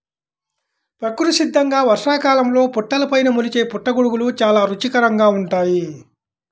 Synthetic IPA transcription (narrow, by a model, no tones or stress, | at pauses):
pɾɐkːuɾuʃid̪ʱːɐŋɡaːʋɐɾʂaːkaːlɐmlo̞ːpuʈːɐlɐpɐjnɐmulit͡ʃeːpuʈːɐɡuɽuɡulut͡ʃaːlaːɾut͡ʃikɐɾɐŋɡaːuɳʈaːji